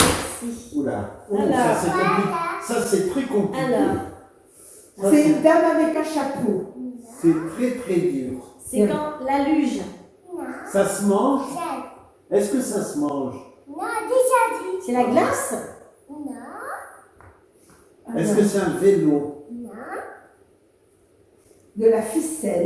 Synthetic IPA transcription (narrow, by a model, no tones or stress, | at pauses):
ula̰alɔasɛt̪ɛ̃pisasɛt̪χɛkɔ̃plileʁ | saɛd̪ɛmavɛkɛ̃ʃaposɛt̪χɛt̪χɛd̪yːʁsɛ̃lalyʒ | sasəmɑ̃ʒ | ɛskəsasəmɑ̃ʒd̪eaisɛlaɡlas | ɛskəsɛɛ̃vɛlɔ̃ | d̪əlafisɛl